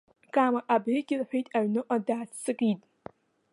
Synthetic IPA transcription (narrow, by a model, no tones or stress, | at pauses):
kʼamaʔabriɡʲɪrħʷᶣejtʼaʕnɨʔʷʼadaːt͡st͡sʰːɨkʼitʼ